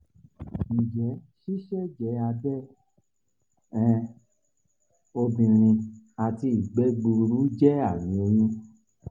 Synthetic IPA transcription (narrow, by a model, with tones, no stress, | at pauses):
nĩ˨d͡ʒɛ˨˦ʃi˦ʃɛ˦d͡ʒɛ˨˦a˧dɛ˦˨ | ɛ̃˦˧ | o˧bĩ˧ɾ̃ĩ˧a˨ti˧i˨ɡ͡bɛ˨˦ɡ͡bu˧ɾu˨˦d͡ʒɛ˦a˦˨nĩ˨˦e˧jũ˦